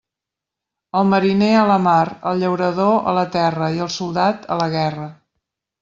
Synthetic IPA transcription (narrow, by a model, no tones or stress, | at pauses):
əlˠməɾineələmaɾəlˠʎəwɾəðoʔə̰lət̪ɛrəiəlˠsulˠd̪at̪ələɣɛrə